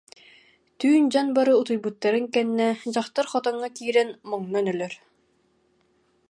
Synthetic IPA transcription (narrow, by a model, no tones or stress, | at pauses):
t̪yːnd͡ʑanbaɾɯut̪ujbut̪ːaɾɯŋkɛnːɛd͡ʑaχt̪aɾχɔt̪ɔŋːakiːɾɛnmɔŋnɔnœlœɾ